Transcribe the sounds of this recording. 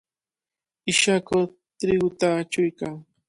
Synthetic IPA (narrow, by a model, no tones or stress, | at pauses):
ɪʃakʊ | t̪ɾɪɡʊt̪aːt͡ʃʊjkaŋ